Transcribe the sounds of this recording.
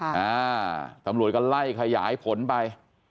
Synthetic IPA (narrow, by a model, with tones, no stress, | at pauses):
aː˧˥t̪a˧˦mɾu˨˩ət̪̚kɔ˥˩la˥˩jkʰa˧ja̰ː˩˦jpʰo˨˩˦npa˧j